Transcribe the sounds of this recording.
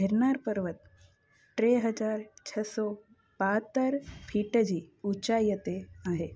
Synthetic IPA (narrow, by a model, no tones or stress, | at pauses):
ɦeɾnaɾpəɾʋət̪̚ | ʈɾeɦəd͡ʒaːɾt͡ʃʰɐsɔ | bat̪əɾpʰiʈəd͡ʒiːut͡ʃajət̪eaɦe